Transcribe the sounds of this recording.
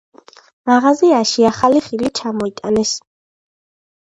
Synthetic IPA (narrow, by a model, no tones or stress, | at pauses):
maʁaziaʃiaχaliχilit͡ʃʰamɔit̪ʼanɛs